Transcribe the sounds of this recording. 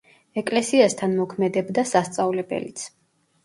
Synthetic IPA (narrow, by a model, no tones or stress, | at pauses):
ɛkʼlɛsiast̪ʰanmɔkʰmɛd̪ɛbd̪asast̪sʼavlɛbɛ̰lit̪sʰ